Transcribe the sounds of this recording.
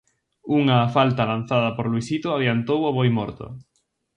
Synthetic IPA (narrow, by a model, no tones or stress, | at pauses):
uŋɐːfalt̪ɐlan̟θaðɐpoɾluisit̪oaðjant̪owoβojmɔɾt̪o̰